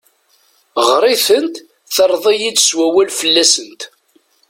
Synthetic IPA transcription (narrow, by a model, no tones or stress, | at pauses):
ʁɾˤɪθənt̪ | θəɾˤðˤijid̪swæwælfəlːæsənt̪